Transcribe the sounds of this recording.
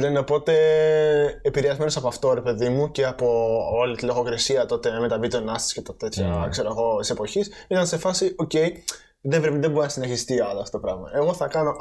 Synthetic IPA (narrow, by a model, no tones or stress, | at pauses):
leneo̞po̞t̪e̞ː | piɾeɐzme̞nosɐpoɐft̪o̞ɾe̞pe̞ðimuce̞ɐpo̞olit̪ilo̞ɣo̞kɾesiɐt̪o̞t̪e̞me̞t̪ɐvit̪onɐst̪i̥scep̪t̪et̪çɐkse̞ɾoeɣo̞t̪i̥se̞po̞çisit̪ɐnse̞fɐsio̞ce̞j | ðevɾepiðeboɾɐsineçist̪iɐlɐft̪ot̪opɾɐɣmɐ̰e̞ɣo̞θɐkɐno̞